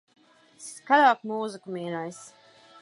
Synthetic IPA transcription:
skaɾaːkmuːzikumʲiːnajs

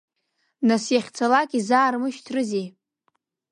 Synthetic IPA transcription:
nasjaχʲt͡sʰalakʼizaːrmɨʃtʰrɨzej

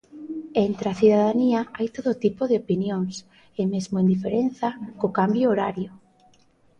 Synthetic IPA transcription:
ent̪ɾaθuðaðaniɐajt̪oðot̪ipoðeopinjoŋs | ɪmezmoend̪ifeɾenθɐkokambjooɾaɾjo

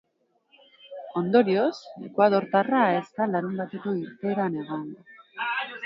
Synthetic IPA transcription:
o̞nd̪o̞ɾio̞se̞̰kwað̞o̞ɾt̪arae̞st̪alaɾumbat̪e̞koiɾt̪e̞ːɾane̞ɣoŋɡo

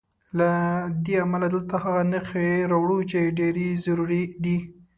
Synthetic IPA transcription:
lad̪eamalad̪əlt̪ahaɣanəxeɾawɽut͡ʃeɖeɾezaɾuɾid̪i

